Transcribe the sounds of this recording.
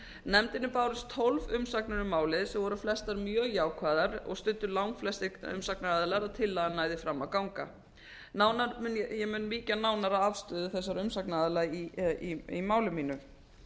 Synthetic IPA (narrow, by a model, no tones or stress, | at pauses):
nɛmt̪ɪnʏpaːwɾɪst̪ʰolvʏmsaknʏɾʏmaːwlɪðsɛmvɔɾʏflɛst̪aɾmjœːɣjaːwkʰvaːðaɾɔ̰ɣst̪ʏnt̪ːʏlawŋflɛst̪ɪʏ̰msaknaːðɪlaɾaðt̪ʰɪlːaanaːjðɪfɾamːawkawŋka | naːwnaɾjɛmʏnmiːcanaːwnaɾaðavst̪ʏːðʏθɛs̬ːaɾʏmsaknaːðɪlajiiimaːwlʏmiːnʏ